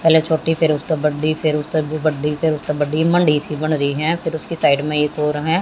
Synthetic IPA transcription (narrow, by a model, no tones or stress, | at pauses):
pɛːlet͡ʃʰoːʈiːpʰɪɾʊst̪abəɖiːpʰɪɾʊst̪ːbəɖiːpʰɪɾʊst̪abəɖiːmə̃ɳɖiːsibəɽɾəiːɦɛ̃ːpʰɪɾʊskisaːɪɖmẽeːkoːɾɦɛ̃ː